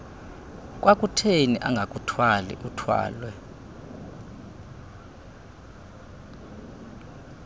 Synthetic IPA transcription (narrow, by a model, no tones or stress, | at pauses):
k̬ʼwʔakʼutʰeniʔa̰ŋɡʱakʼutʰwalḭʔutʰwa̰ːlwɛ